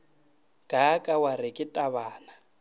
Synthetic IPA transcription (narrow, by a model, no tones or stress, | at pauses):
ɡ̥ʱakʼawaɾɪkʼɪtʼaβaːna